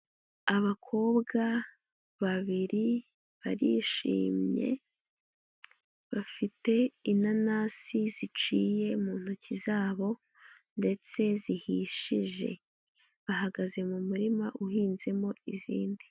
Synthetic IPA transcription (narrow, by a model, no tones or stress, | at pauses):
aβakʰo̞ːbɡa | βaβiɾi | βa̰ɾḭʃḭːmɲe̞̰ | βafite̞inanaːsizit͡ʃiːje̞muːn̥ucizaːβo̞ | nde̞t͡se̞zihiʃiʒe̞̰ | βaɦaɡaze̞mumuɾimaʔuhiːnze̞mo̞izḭːndi